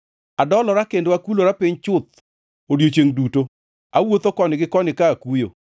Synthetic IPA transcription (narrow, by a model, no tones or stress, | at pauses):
adɔlɔɾakendwakuloɾapɪɲt͡ʃʊt̪̚ | odjot͡ʃeŋduto | awot̪okɔnɪɡɪkɔnɪkaːkujo̰